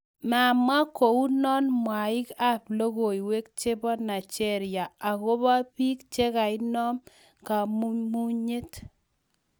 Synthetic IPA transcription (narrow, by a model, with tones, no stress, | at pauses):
ma˨mwa˦ko˨u˦nɔ˦nmwa˨ɪ˦ka˦plo˦ɣo˨i˨we˦k̚t͡ʃe˦bɔ˦na˨t͡ʃɛ˦ɾja˨a˨ko˦ba˦piː˦k̚t͡ʃe˦ka˨ɪ˦nɔ˦m | ka˨mu˦mu˦ɲe˦t